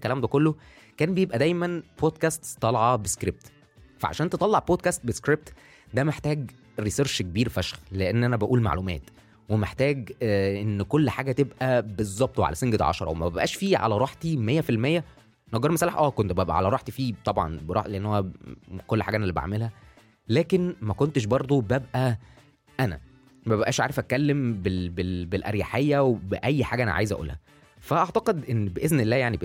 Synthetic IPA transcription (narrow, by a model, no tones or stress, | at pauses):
kælæːmd̪ækolːo | kæːnbejebʔæd̪æjmænboːd̪̚kæst̪st̪ˤːɑlʕɑbeskɾeb̚t̪ | fæʕa̰ʃæːnt̪et̪ˤɑlːɑʕboːd̪̚kæst̪̚beskɾeb̚t̪ | d̪æmeħt̪æːɡ | ɾiseɾʃkebiːɾfæʃxleʔenːʔænæbæʔuːlma̰ʕlumæ̰ːt̪ | wemeħt̪æːɡʔenːkolːħaːɡæt̪ebʔæbezˤːɑb̚t̪weʕa̰læseŋɡet̪ʕɑ̰ʃɑ̰ɾˤɑ̰wemæbæbʔæ̰ːʃfiːʕa̰læɾˤɑːħt̪imejːæfilmejːæ | nɑɡɑɾˤmæsælːæħʔæːkont̪bæbʔæ̰ʕalæɾˤɑːħt̪ifiːt̪ˤɑbʕɑ̰nbeɾɑ̰ħleʔenːoækolːħaːɡæʔænælːiba̰ʕmelhæ | læːkenmækont̪eʃ̬bɑɾˤd̪ˤobæbʔæ | ʔænæ̰ | mæbæbʔæ̰ːʃʕa̰ːɾefʔækælːembebebelʔæ̰ɾjaħejːæwebeʔæjːħaːɡæʔænæ̰ʕa̰jezʔæ̰ʔṵːlhæ | fæʔɑʕt̪ɑqed̪ʔenːbeʔeznelːæːjaʕnib